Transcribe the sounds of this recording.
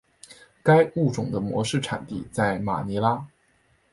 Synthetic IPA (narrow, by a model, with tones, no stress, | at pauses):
ka˥ɪu˥˩ʈ͡ʂʊ˨˩ŋd̪ə˦mwɔ̰˧˥ʂɻ̩˥˩ʈ͡ʂʰa̰˨˩nt̪ḭ˥˩t͡sa˥˩ɪma̰˨˩ni˧˥la˥